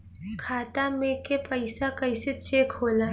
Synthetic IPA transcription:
kʰaːt̪amẽkepəɪsakɐɪset͡ʃeːkɦoːla

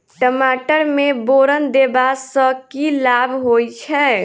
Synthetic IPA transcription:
ʈəmaʈəɾmeboɾənd̪ebassəkilabʱɦojt͡ʃʰɛ

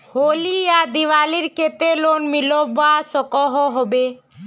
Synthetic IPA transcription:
holiad̪iʋaliɾket̪elonmilɔbasɔkɔɦɔɦɔbe

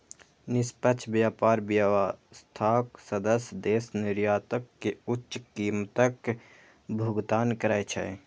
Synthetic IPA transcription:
nɪspətːt͡ʃʃʰbjaːpaːɾbjaast̪ʰaːksəd̪əsjd̪eːsnɪɾjaːt̪əkːeʊt͡ʃːʃkiːmt̪ək | bʱʊɡt̪aːnkəɾajt͡ʃʰɛ̰

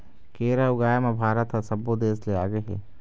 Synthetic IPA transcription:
keːɾaʊɡaːjamãbʱaːɾət̪ɦɐsɐbːod̪eːsleaːɡəɦɛ̰ː

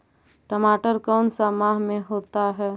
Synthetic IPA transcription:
ʈəmaːʈəɾkɔːnsamaːɦmẽɦoːt̪aɦɛː

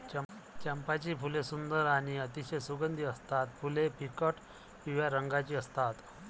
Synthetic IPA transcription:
ət͡ɕɛmpat͡ɕiːfulesund̪əɾaɽ̃iət̪iɕejsuɡənd̪ʱiːəst̪at̪fʰulepikəʈ | piʋjaɾəŋɡat͡ɕiːəst̪at̪

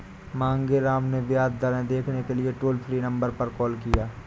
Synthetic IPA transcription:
mãːŋɡeɾaːmneʋɪjaːd̪̚d̪aːɾẽd̪eːkʰnekelieʈoːlpʰɾinɐ̃mbəɾpɐɾkɔːlkijaː

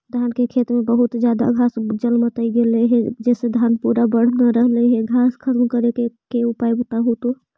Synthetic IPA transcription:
d̪ʱankekʰet̪ɾmebəɦut̪d͡ʒjad̪a̰ɡʱasd͡ʒəlmət̪əiɡeleɦɛ̃d͡ʒɛːsed̪ʱanpuɾabəɽ̤naɾəɦleɦɛ̃ɡʱaskʰət̪mkəɾekekeupajbət̪aɦut̪o

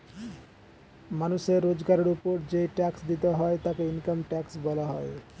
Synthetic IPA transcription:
manuʃeɾːod͡ʑɡaɾeɾupoɾd͡ʑejʈɛksd̪it̪eɦɔet̪akeinkamʈɛksbɔlaɦɔe

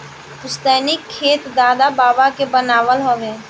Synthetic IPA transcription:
pʊst̪ɛːnɪkʰːeːt̪d̪aːd̪abaːbakebənaːʋəlɦoːʋeː

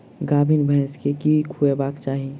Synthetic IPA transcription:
ɡaːbʱinbʱə̃skekikʰuebaːkt͡ʃaːɦi

